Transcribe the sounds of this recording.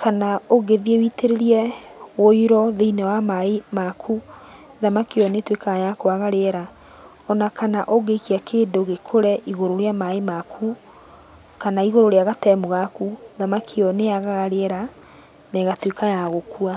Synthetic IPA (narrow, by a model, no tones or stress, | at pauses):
kʰanaoɣeðiewiteɾeɾiɛwoiɾɔðeinɛwamaemakʰu | ðamakiɔnetwekajakoaɣaɾeɛɾa | ɔnakanaʔoɣeikiakʰeːndoɣekʰoɾɛʔiɣoɾoɾeamaemakʰu | kanaiɣoɾoɾeaɣatɛmoɣakuðamakʰiɔneaɣaɣaɾeɛɾa | neɣatwekajaɣokua